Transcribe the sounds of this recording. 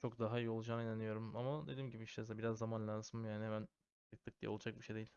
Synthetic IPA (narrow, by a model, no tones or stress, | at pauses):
t͡ʃʰo̞k̚d̪aɦaijio̞lˠud͡ʒanɯinanijo̞ɾumamad̪ed̪iːmɟibiiʃt̪ʰɛzabiɾazːamanlʲansɯmjaːniɦemæn | t̪ɯk̚t̪ʰɯkd̪ijɛ̰o̞lˠud͡ʒak̚biʃejd̪e̞jilʲ